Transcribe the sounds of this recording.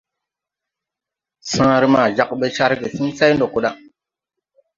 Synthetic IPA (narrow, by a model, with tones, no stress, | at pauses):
sãː˦ɾi˦ma˨d͡ʒa˦k̚ɓe˦ʃa˦ɾɡe˨sĩ˦sa˦jndo˨ku˨ɗa˦